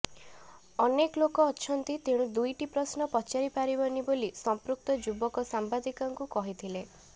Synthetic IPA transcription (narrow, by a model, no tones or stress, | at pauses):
ɔneklokɔːt͡ʃʰɔnt̪it̪eɽ̃ũd̪ujʈipɾɔsnɔpɔt͡ʃaɾipaɾibɔnibolisɔmpɾuk̚t̪ɔd͡ʒubɔkɔsambad̪ikɔŋkukɔɦit̪ʰile